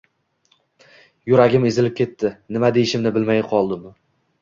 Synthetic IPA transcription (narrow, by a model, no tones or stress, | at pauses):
jʊɾaɡʲɪmezɪlɪp̚kʲʰe̞t̪ʰːɪnɪmad̪e̞jɪʃɪmnɪbɪlmajqʰɒlˠd̪ɪm